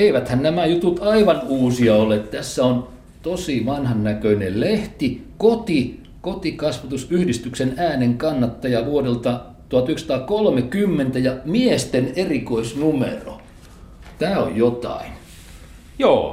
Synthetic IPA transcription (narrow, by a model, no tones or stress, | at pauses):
eiʋæt̪hænnæmæjut̪ut̪ɑiʋɑnuːsiɑolet̪t̪æsːæon | t̪osiʋɑnhɑnnːækøinelleht̪ikot̪i | kot̪ikɑsʋɑt̪usyhdist̪yksenæːneŋkɑnːɑt̪ːɑjɑʋuodelt̪ɑ | t̪uɑt̪yksɑ̥̆t̪ɑːkolmekymːent̪æjɑmiest̪enerikoisnumḛro̰ | t̪æːo̰jjot̪ɑ̰in | joː